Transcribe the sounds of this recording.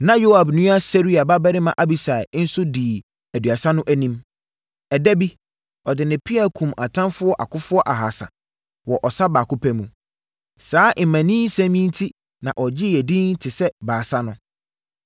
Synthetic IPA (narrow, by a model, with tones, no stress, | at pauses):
nã˦jo˦a˨bnũ˦a˦sɛ˦ɾi˦a˨ba˦bɛ˦ɾɪ˦mã˨ʔa˦bi˨sa˨ɪ˨˦n̩˦sʊ˦diː˨ | æ˨du˨a˨sã˦nʊ̃˦ʔæ˦nĩ˦m | ɛ˨dæ˦bi˦ | ɔ˨dɪ˨nɪ̃˨pʰi˦a˨kʰũ˨ma˨tʰã˦nfʊ˦ɔ˦ʔa˨kʰʊ˦fʊ˦ɔ˦ʔa˨ɦa˨sa̰˨ | wɔ˨ʔɔ˨sa˦baː˨kʰʊ˦pʰæ˦mũ˨ | saː˨˦ʔmæ̃˨nĩ˦n̩˦sæ̃˦mĩ˦n̩˦tʰi˦ | nã˨ʔɔ˨d͡ʑɪ˦ɛ˨dĩ˦n̩˦tʰɪ˨sɛ˦baː˨sa˦nʊ̃˦